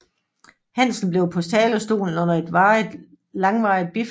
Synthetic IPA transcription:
hæn̰sn̩b̥le̝ʊpʰɒ̽st͡sʰɛːlɒsd̥o̝̰ːln̩ɔ̽n̰ɐe̝d̥ʋɑ̥ | lɑ̈ŋʋɑ̈ɪð̥̚b̥if

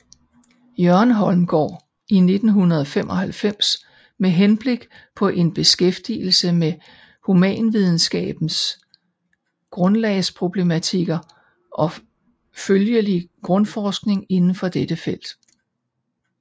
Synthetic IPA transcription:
jɶɐnɦɒ̽lmɡ̥ɒ̰ː | ʔine̝d̥n̩ɦunɐðˠɒfem̰ʔɒ̽hælfem̰s | meɦenb̥le̝ɡ̥ | pʰɒ̽ʔe̝nb̥e̝sɡ̥efd̥ḭl̩səme | humɛ̰ːnʋið̞ˠn̩sɡ̥ɛ̰ːb̥n̩s | ɡ̥ʁɔ̽nlɛːɪspʰʁo̝b̥le̝mæt͡sʰiɡ̥ɐ | ʔɒ̽ | føljəliɡ̥ʁɔ̽nfɒːsɡ̥ne̝ŋe̝nn̩fɒ̽d̥ed̥əfel̰d̥

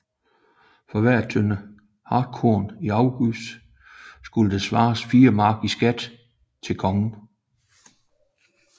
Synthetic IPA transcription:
fɒ̽ʋæɐ̰t͡sʰønə | hɑ̈ːd̥̚kʰoːniɑ̈ʊɡ̥ys | sɡ̥uləd̥esʋɑ̈ːsfiːɐmɑ̈ːɡ̥isɡ̥æd̥ | t͡sʰe̝lkʰɒ̽ŋn̩

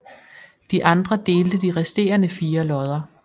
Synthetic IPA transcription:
d̥iʔɑ̈nd̥ʁɐd̥e̝ːld̥əd̥iʁɛsd̥e̝̰ːɐnəfiːɐlɒ̽ð̞ˠɐ

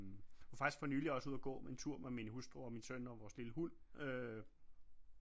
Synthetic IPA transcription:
ofɑ̈ɡ̥isɡ̥fɒnyːliɒ̽səuðˠɐɡ̥ɔ̰ːmeent͡sʰuɐ̰memenəɦusd̥ʁoɒminsønɒʋɒːsliləhul̰ø

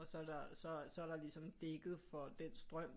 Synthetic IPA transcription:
ɒsɒ̽æɐd̥ɑ̈sɒ̽sɒ̽æɐɾɑ̈lisɒ̽md̥eɡ̥ð̞̩ˠfɒ̽d̥ensd̥ʁɶm̰

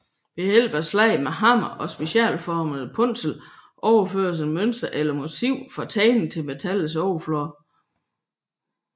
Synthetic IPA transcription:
b̥ehel̰b̥ɐslɛɪmeɦɑ̈m̰ɐʔɒ̽sb̥e̝ɕɛ̰ːlfɒːməð̩ˠpʰɔn̰sl̩ʔɒʊɐføːɐs̬enmøn̰sd̥ɐʔelɐmo̝siʊ̰fɒt͡sʰɛːnn̩t͡sʰe̝lmet͡sʰæləs̬ɒʊfloɐ

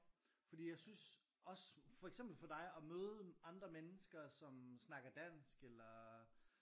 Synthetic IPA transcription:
fɒ̽d̥ḭːjɑ̈ɪsyns | ɒ̽sfɒ̽eɡ̥sem̰b̥l̩fɒ̽d̥ɑ̈ɪɒ̽møːð̞ˠəɑ̈nd̥ʁɐmenəsɡ̥ɐsɒ̽msnɑ̈ɡ̥ɐd̥æn̰sɡ̥elɐ

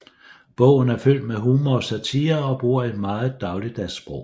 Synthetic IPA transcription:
b̥ɔ̽ʊ̰n̩æɐføl̰d̥meɦuːmɒsæt͡sʰiːɐɒ̽b̥uɐ̰e̝d̥mɑ̈ːð̩ˠd̥ɑ̈ʊli̥æsb̥ʁɔʊ

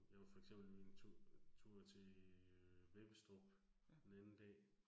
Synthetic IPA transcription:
jɑʋɑfɒ̽eɡ̥sem̰b̥l̩mienʰut͡sʰuɐ̰t͡sʰe̝ | ʋeb̥əsd̥ɒb̥ | d̥enænn̩d̥ɛ̰ː

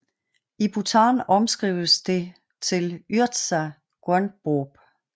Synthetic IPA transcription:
ib̥ut͡sʰɑ̈ːnɒ̽msɡ̥ʁḭːʊ̰əsd̥e̝ | t͡sʰe̝lyɐd̥sæ | ɡ̥ʁœnb̥ob̥

